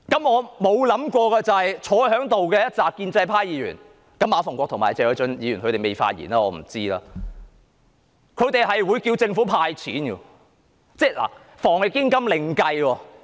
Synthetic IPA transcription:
kɐ˨˥mɔː˨˧mo˨˧wlɐ˨˥mkʷɔː˧kɛː˧t͡sɐ˨whɐ˨jt͡ʃʰɔː˨˥hœː˨˥ŋt̪o˨wkɛː˧jɐ˥t̚t͡saː˨k̚ːiː˧nt͡sɐ˧jpʰaː˥jiː˨˧˥jy̰ː˨˩n | kɐ˨˧˥mːaː˨˧fɔ˨˩ŋkʷɔ˧k̚t̪ʰŋmaː˨˩jt͡sɛː˧jœː˨˥t͡ʃœ˨˥njiː˨˧jy˨˩nkʰɵ˧t̪e˨jme˨jfa̰ː˧t̚jḭː˨˩naː˧ŋɔː˨˧m̩˨˩t͡siː˥laː˧ | kʰɵ˨˧ɥt̪e˨jɦɐ˨jwuː˨˧jkiː˧wt͡sɪ˧ŋfuː˨˥pʰaː˧jt͡sʰḭː˨˥nkɔ̰˧ | t͡sɛː˥˩la̰ː˨˩ | fɔː˨˩ŋjɪ˨˧kːɪ˥ŋkɐ˥mlɪ˨ŋkɐ˧jwɔː˧

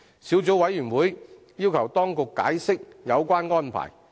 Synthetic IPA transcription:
siː˨˥wt͡so˨˥wɐ˨˧˥jːyː˨˩nwuː˨˥j | jiː˥wkʰɐ˨˩wt̪ɔː˥ŋkʊ˨kːa̰ː˨˥jsɪ˥k̚jɐ˨˧wkʷwaː˥nŋɔː˥npʰa̰ː˨˩j

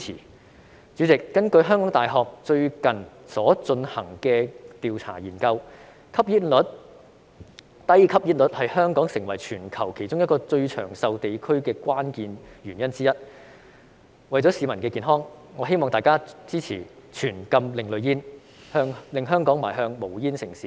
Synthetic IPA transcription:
iː˨˩ | t͡syː˨˥t͡sɪ˨kːɐ˥nkɵ˧ɥɦœ˥ŋkɔː˨˥ŋt̪aː˨jɦɔː˨k̚t͡sɵ˧ɥkɐ˨n | sɔː˨˥t͡sɵ˧nhɐ˨˩ŋkɛː˧t̪iː˨wt͡sʰa̰ː˨˩jḭː˨˩nkɐ˧w | kʰɐ˥p̚jiː˥t̚lɵ˨˥t̚ | t̪ɐ˥jkʰɐ˥p̚ji˥t̚lɵ˨˥t̚hɐ˨jhœː˥ŋkɔː˨˥ŋsɪ˨˩ŋwɐ˨˩jt͡ʃʰyː˨˩nkʰɐ˨˩wkʰe˨˩jt͡sʊ˥ŋjɐ˥t̚kɔː˧t͡ʃɵ˧ɥt͡ʃʰœ̰ː˨˩ŋsɐ˧wt̪e˨jkʰɵ˥ɥkɛː˧kʷaː˥nkiː˨˧nɥyː˨˩njɐ˥nt͡siː˥jɐ˥t̚ | wɐ˨jt͡sɔ˨˥si˨˧mɐ˨˩nkɛː˧kiː˨nɦɔː˥ŋŋɔː˨˧ɦe˥jmɔː˨ŋt̪aː˨jkaː˥t͡siː˥t͡sʰiː˨˩t͡ʃʰyː˨˩nkɐ˧mlɪ˨˩ŋlɵ˨˧ɥjiː˥n | hœː˥ŋlɪ˨ŋɦœː˥ŋkɔː˨˥ŋma̰ː˨˩jɦœː˧ŋmo˨˩wjiː˥nsɪ˨˩ŋsiː˨˦˥

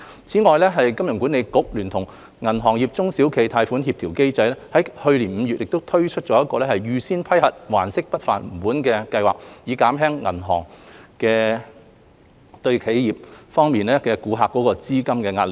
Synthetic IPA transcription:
t͡sʰiː˨˥ŋɔː˨˧jlɛː˥ɦɐ˨jkɐ˥mjʊ˨˩ŋku˨˥ne˨˧jkʊ˨˥k̚lyː˨˩nt̪ʰʊ˨˩ŋ | ŋɐ˨˩nɦɔː˨˩ŋjiː˨p̚t͡sʊ˥ŋsiː˨˥wkʰe˨˧jt̪ʰaː˧jfu˨˥nhi˧p̚t̪ʰi˨˩wke˥jt͡sɐ˧jlɛː˥hɐ˨˥jhɵ˧ɥliː˨˩nm̩˨˧ɥy˨t̚jɪ˨k̚t̪o˥wt̪ʰɵ˥ɥt͡ʃʰɵ˥t̚t͡ʃɔː˨˥jɐ˥t̚kːɔː˧lɛː˥hɐ˨jɥyː˨siː˥npʰɐ˥jhɐ˨t̚wa̰ː˨˩nsɪ˥k̚pɐ˥t̚faː˨˩nm̩˨˩puː˨˥nkɛː˧kɐ˧jwaː˨k̚jiː˨˧kaː˨˥mɦɛː˥ŋːɐ̰˨˩nɦɔ̰ː˨˩ŋkɛː˧ | t̪ɵ˧ɥkʰe˨˥jjiː˨p̚fɔː˥ŋmiː˨nlɛː˥kɛː˧kuː˨˧ɦaː˨kːɔː˨˥kɔː˧t͡siː˥kɐ˥mkɛː˧ŋaː˧t̚lɪ˨k̚

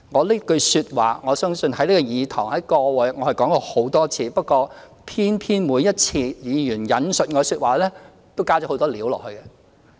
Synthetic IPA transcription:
ŋɔː˨˧liː˥kɵ˧ɥsyː˧t̚waː˨˩ŋɔː˨˧sœː˥ŋsɵ˧nhɐ˨˥jliː˥kɔː˧jiː˨˧t̪ʰɔ̰ː˨˩ŋhɐ˨˦jkɔː˧wɔ˨˧jŋɔː˨˧hɐ˨˩jkɔː˨˥ŋkɔː˧ho˨˥wt̪ɔː˥t͡sʰiː˧pɐ˥t̚kːɔː˧ | pʰiː˥npʰiː˥nmuː˨˧jɐ˥t̚t͡sʰiː˧jiː˨˧jyː˨˩njɐ˨˥nsɵ˨t̚ŋɔː˨˧syː˧t̚waː˨lɛː˥ | t̪o˥wkaː˥˩d͡ʒɔ˨˥ho˨˧wt̪ɔː˥liː˨˥wlɔ̰ː˨˩hɵ˧ɥkɛ˧

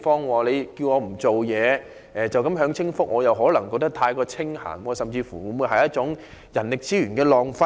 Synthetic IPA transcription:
fɔː˥ŋwaː˨˩le˨˧jki˧wŋɔː˨˧m̩˨˩t͡so˨wjɛː˨˧ | ʔɛː˨t͡sɐ˨wkɐ˨˥mɦœː˨˥ŋt͡sʰɪ˥ŋfʊ˥k̚ŋɔː˨˧jɐ˨wɦɔː˨˥lɐ˨˩ŋkɔː˧k̚t̪ɐ˥k̚t̪ʰaː˧jkɔː˧t͡sʰɪ˥ŋha̰ː˨˩nwɔː˧sɐ˨mt͡siː˧fuː˨˩wu˨˧muː˨˧jhɐ˨jɐ˥t̚t͡ʃʊ˨˥ŋ | jɐ˨˩nlɪ˨k̚t͡siː˥ɥyː˨˩nkɛː˧lɔː˨ŋfɐ˥

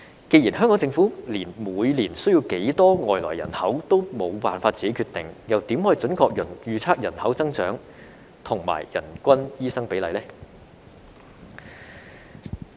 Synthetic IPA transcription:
ke˧jiː˨˩nɦœ˥ŋkɔː˨˥ŋt͡sɪ˧ŋfuː˨˥liː˨˩nmuː˨˧jliː˨˩nsɵ˥ɥjiː˧wke˨˥jt̪ɔː˥ŋɔː˨jlɔ̰ː˨˩jːɐ̰˨˩nhɐ˨˥wt̪o˥wmo˨˧wpaː˨nfaː˧tt͡siː˨ke˨˥kʰyː˧t̪ɪ˨ŋjɐ˨wt̪iː˨˥mhɔː˨˥˨t͡ʃɵ˨˥nkʰɔː˧k̚jɵ˨˩njyː˨˧t͡sʰaː˥k̚jɐ˨˩nhɐ˨˥wt͡sɐ˥ŋt͡ʃœː˨˥ŋ | t̪ʰʊ˨˩ŋma̰ː˨˩jjɐ̰˨˩nkʷɐ˥njiː˥sɐ˥ŋpe˨˥jlɐ˨˧jlɛː˥

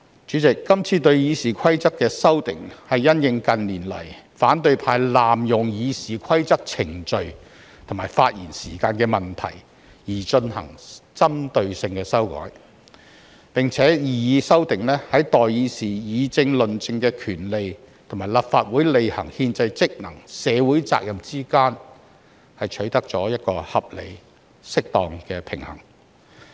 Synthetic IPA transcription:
t͡ʃyː˨˥t͡sɪ˨kːɐ˥mt͡sʰiː˨˧t̪ɵ˧ɥjiː˨˧siː˨kʷʰɐ˥jt͡sɐ˥k̚kːɛː˧sɐ˥wt̪ɪ̰˨˩ŋhɐ˨jːɐ˥njɪ˧ŋkɐ˨nliː˨˩nlɐ̰˨˩j | faː˨˥nt̪ɵ˧ɥpʰaː˧jlaː˨mjʊ˨ŋjiː˨˧siː˨kʰɐ˥jt͡sɐ˥k̚t͡sʰɪ˨˩ŋt͡ʃɵ˨˧ɥ | t̪ʰo˨˩maː˨˩jfaː˧t̚jḭː˨˩nsiː˨˩kaː˧nkɛː˧mɐ˨nt̪ʰɐ̰˨˩j | jiː˨˩t͡ʃɵ˧nhɐ̰˨˩ŋt͡sɐ˥mt̪ɵ˧ɥsɪ˧ŋkɛː˧sɐ˥wkɔ̰ː˨˥j | pɪ˨ŋt͡sʰɛː˨˥jiː˨˧jiː˨˧sɐ˥wt̪ɪ˨ŋlɛː˥hɐ˨˥jt̪ɔː˨jjiː˨˧siː˨˩jiː˨˧t͡sɪ˧ŋlɵ˨nt͡sɪ˧ŋkɛː˧kʰyː˨˩nle˨j | t̪ʰo˨˩ŋmaː˨˩jla˨pfaː˧t̚wuː˨˥jle˨jhɐ̰˨˩ŋhiː˧nt͡sɐ˧jt͡sɪ˥k̚nɐ˨˩ŋsɛː˨˧wuː˨˥jt͡sa̰ː˧k̚jɐ˨mt͡siː˥kaː˥n | hɐ˨jt͡ʃʰɵ˨˥ɥt̪ɐ˥k̚t͡sɔː˨˥jɐ˥t̚kɔː˧hɐ˨p̚lḛ˨˧j | sɪ˥k̚t̪ɔː˨ŋkɛː˧pʰɪ˨˩ŋhɐ̰˨˩ŋ

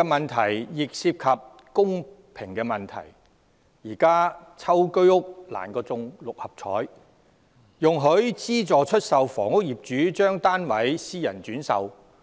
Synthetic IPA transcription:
ɛ˧mɐ˨nt̪ʰɐ˨˩jjɪ˨k̚siː˧˥p̚kʰɐ˨p̚ | kʊ˥ŋ | pʰɪ˨˩ŋkɛː˧mɐ˨nt̪ʰɐ̰˨˩j | jiː˨˩kaː˥t͡sʰɐ˥wkɵ˥ɥʊ˥k̚la̰ː˨˩nkɔː˧t͡sʊ˧ŋlʊ˨k̚hɐ˨p̚t͡ʃʰɔ̰ː˨˥j | jʊ˨ŋɦɵ˨˥ɥt͡siː˥t͡sɔː˨˧t͡ʃʰɵ˥t̚sɐ˨wfɔ̰ː˨˩ŋʊ˥k̚jiː˨p̚t͡ʃyː˨˥t͡ʃœː˥ŋt̪aː˥nwɐ˨˥jsiː˥jɐ̰˨˩nt͡ʃyː˨˥nsɐ̰˨w

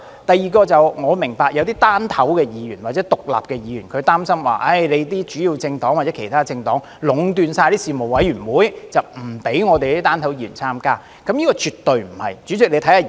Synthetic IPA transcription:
t̪ɐ˨jːiː˨kɔː˧t͡sɐ˨wŋɔː˨˧mɪ˨˩ŋpaː˧k̚jɐ˨˧wt̪̬iː˥t̪aː˥nt̪ʰɐ˨˥wkɛː˧jiː˨˧jyː˨˩nwaː˨˩t͡sɛ˨˥t̪ʊ˨k̚la̰ː˨p̚kɛ˧jiː˨˧jy̰ː˨˩nkʰɵ˨˧t̪aː˥msɐ˥mwa̰ː˨ʔɐ˥˩jle˨˧jt̪iː˥t͡ʃyː˨˥jiː˧wt͡sɪ˧ŋt̪ɔː˨˥ŋwaː˨˩ɛ˨˦˥kʰe˨˩jt̪ʰaː˥t͡sɪ˧ŋt̪ɔ̰ː˨˥ŋ | lʊ˨˧˥ŋt̪yː˨˧nsaː˧jt̪iː˥siː˨mo˨˩wwɐ˨˥jyː˨˩nwuː˨˥jt͡sɐ˨˩wm̩˨˩pe˨˥jŋɔː˨˧t̪e˨ji˥t̪aː˥nt̪ʰɐ˨˥wjiː˧˥ɥy̰˨˩nt͡sʰaː˥mkaː˥ | kɐ˨˥mjiː˥kɔː˧t͡ʃyː˨t̪ːɵ˨ɥm̩˨˩hɐ̰˨˩jt͡ʃyː˨˥t͡sɪ˨k̚le˧t̪ʰhaː˨˧

